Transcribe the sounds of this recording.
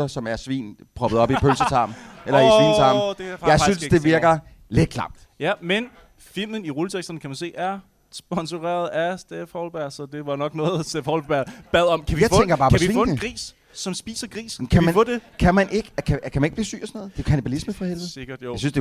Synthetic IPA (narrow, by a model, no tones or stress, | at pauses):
ɐsɒ̽mæɐsʋḭːnpʰʁɒ̽b̥ð̩ˠɒ̽b̥ipʰølsət͡sʰɑ̈mʔelɐisḭːnt͡sʰɑ̈mdjɑ̈ɪsynssd̥e̝ʋiɐɡ̥ɐ | le̝d̥̚kʰlɑ̈m̥̰̚d̥jæmen | fil̰mn̩iʁulət͡sʰeɡ̥sd̥ɐnəkʰæmænse̝̰ːæɐ | sb̥ɒ̽nsuʁɛ̰ːɐð̩ˠæsd̥efhɒʊlb̥æɐ̰sɒ̽d̥e̝ʋɑ̈nɒ̽ɡ̥nɔːð̩ˠsd̥efhɒʊlb̥æɐ̰b̥æðˠɒ̽mkʰæijɑ̈ɪeŋɡ̥ɐb̥ɑ̈ːpɒ̽iʋḭːɔnəɡʁḭːsː | ɒ̽msb̥ḭːsɐɡ̥ʁḭːskʰæmmæɔdekʰæmænʔe̝ɡ̥əkʰækʰæmæne̝ɡ̥b̥liːsy̰ːɒsɔnɔ̽ːð̩ˠd̥e̝kʰænibælisməfʁɑhelʋð̩ˠeɡ̥ɐd̥aɪsynsd̥e̝